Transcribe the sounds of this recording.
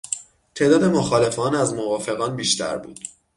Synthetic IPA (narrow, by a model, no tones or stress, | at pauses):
t̪ʰe̞ːd̪ɒːd̪e̞mo̞xɒːle̞fɒːnæzmovɒːfe̞ɣɒːnbiːʃt̪ʰæ̰ɾbṵːd̪̥